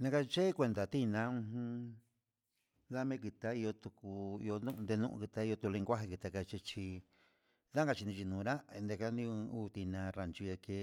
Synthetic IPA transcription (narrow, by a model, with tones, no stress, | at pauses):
nã˧ka˧t͡ʃe˦kʷe˧nd̪a˨t̪i˦˧nã˧˦ũ˧hũ˧ | ða˦mẽ˦ki˧t̪a˧i˧o˧t̪u˧ku˧ḭ˧o˧ũ˦ʔnd̪e˧nũ˦ʔṵ̃˧kɨ˧t̪a˧˦i˧o˧t̪u˧lẽ˧ŋ˧kʷa˦ɦi˧ki˧t̪a˧ka˧t͡ʃi˧t͡ʃi˧ | ða˦ŋ˦ɡa˧t͡ʃi˧nĩ˧t͡ʃi˧nũ˨˧ɾa˦e˧nd̪e˧ka˦nĩ˧uː˦˨˧t̪i˧nã˧ɾa˨nt͡ʃi˧e˧ke˧˦